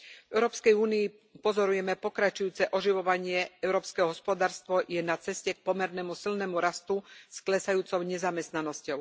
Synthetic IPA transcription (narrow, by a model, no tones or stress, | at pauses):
vɛʊɾɔːpskɛjuːniː | pɔzɔɾujɛmɛpɔkɾat͡ʃujuːt͡sɛʔɔʒiʋɔʋaɲɪɛɛʊɾɔːpskɛːɦɔɦɔspɔd̪aːɾst̪ʋɔjɛnat͡sɛscɛk̚pɔmɛɾnɛːmusilnɛmuɾast̪usklɛsajuːt͡sɔʊɲɛzamɛst̪nanɔscɔʊ